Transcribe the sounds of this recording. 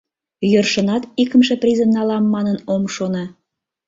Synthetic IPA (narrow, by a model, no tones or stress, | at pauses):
jørʃə̆nɑt̪ikə̆mʃĕprʲizə̆nːɑlɑmːɑnənomʃonɑ